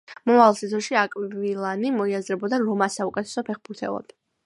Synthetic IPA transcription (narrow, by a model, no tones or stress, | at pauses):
mɔmavalˠsit̪sʰɔʃiakʼvilˠanimɔiazɾɛbɔd̪aɾɔmasaukʼɛt̪ʰɛ̥sɔpʰɛχbuɾt̪ʰɛ̰lˠɔ̰d̪